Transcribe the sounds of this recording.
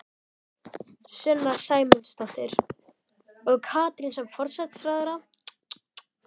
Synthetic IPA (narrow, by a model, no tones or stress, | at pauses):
sʏlːasaːjmʏnst̪ɔht̪ɪɾ̥ | ɔɣkʰaːt̪ɾinsɛmfɔɾ̥sɛt̪sɾajðʏɾa